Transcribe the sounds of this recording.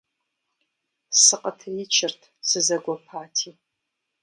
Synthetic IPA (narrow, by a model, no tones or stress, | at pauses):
sɨqʼətʰit͡ʃʰɪrtʰsɨzɐɡʷapʰaːtʰi